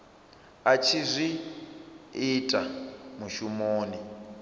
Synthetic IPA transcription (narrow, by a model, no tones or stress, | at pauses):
at͡ʃʰizʷi | itʼamuʃumoːni